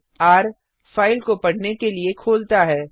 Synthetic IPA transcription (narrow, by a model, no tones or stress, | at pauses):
aːɾ | faːɪlkopɐɽnekeliekʰoːlt̪aɦɛː